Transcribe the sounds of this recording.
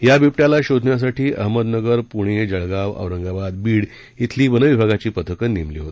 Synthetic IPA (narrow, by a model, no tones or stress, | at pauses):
jabʱipʈjalaɕod̪ʱnjas̬aʈʰiːʔə̰ɦməd̪nəɡəɾpuɽ̃ed͡ʑəɭɡaʋə̰ʋɾəŋɡabad̪̚biːɽ | it̪ʰliːbənəʋibʱaɡat͡ɕiːpət̪ʰəkənemliːɦot̪